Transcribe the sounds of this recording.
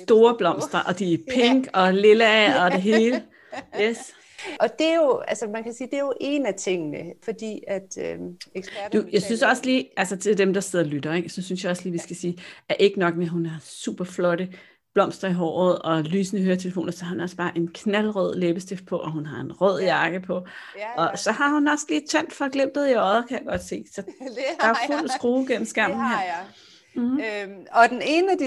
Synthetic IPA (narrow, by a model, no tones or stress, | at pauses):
sd̥o̝ːɐb̥lɒ̽m̰sd̥ɐʔɒ̽d̥ipʰeŋ̰ɡ̥ɒ̽le̝læɒ̽d̥e̝ɦe̝ːlə | jes | ʔɒ̽d̥e̝jo̝ælsəmænkʰæsiːd̥e̝jo̝ʔe̝næt͡sʰe̝ŋ̰nəfɒ̽d̥ḭːæd̥øeɡ̥sd̥ujäɪsynsɒ̽sliːælsɐt͡sʰe̝ldemd̥ɑ̈se̝ð̞̰ˠɐlyd̥ɐeɡ̥sɒ̽synsjɑ̈ɪɒ̽sliːʋisɡ̥æsiːæɐʔe̝ɡ̥ənɒ̽ɡ̥meɦunæɐsṵːb̥ɐflɒ̽ɾ̥ə | b̥lɒ̽m̰sd̥ɐiɦɒ̰ːð̩ˠɒ̽lyːsənəɦøːɐt͡sʰe̝ləfo̰ːnɐsɒ̽hɑ̈hunɒ̽sb̥ɑ̈ːʔe̝nkʰnælʁœð̞̰ˠleːb̥əsd̥ef̚pʰɒ̽ʔɒ̽ɦunɦɑ̈e̝nʁœð̞̰ˠjɑ̈ːɡ̥əpʰɒ̽ʔɒ̽sɒ̽ɦɑ̈hunɒ̽sliːt͡sʰen̰d̥fɑɡ̥lem̰b̥ð̩ˠiɒðˠɐkʰæjɑ̈ɡ̥ɒ̽d̥se̝̰ːsɒ̽d̥ɑ̈æfful̰sɡ̥ʁuːɡ̥el̰m̩sɡ̥æm̰n̩hḛ | ɒd̥enenəæd̥